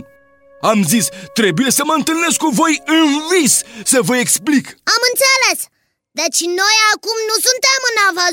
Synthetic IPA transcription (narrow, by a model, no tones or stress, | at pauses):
amuzd̪ist̪ɾebiɐsɐmɐ̃nt̪eneskõvojĩvissɐvojeksplikamɨ̃nt̪seles | d̪ɐt͡ʃinojakumnũsunt̪emɨnavɐ